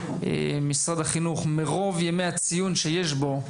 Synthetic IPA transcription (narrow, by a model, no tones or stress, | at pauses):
ḛmisʁad̪haχinuχmeʁo̞vjemejat͡sijunʃejeʃbo̞